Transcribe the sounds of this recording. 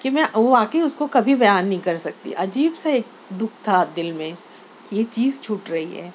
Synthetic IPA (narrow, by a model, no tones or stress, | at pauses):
kimɛ̃ʋoʋaːkəiʊskokɐbʱibɐjaːnːɐɦĩkɐɾsɐk̚t̪ḭʔɐd͡ʒiːbseeːk̚ | d̪ʊk̚ʰt̪ʰad̪ɪlmẽ | kijet͡ʃiːzt͡ʃʰuːʈɾɐɦiɦɛ̰ː